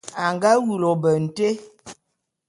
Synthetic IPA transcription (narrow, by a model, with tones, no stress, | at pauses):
a˨ŋɡa˦wu˨lo˨bə˨n̩˨te˦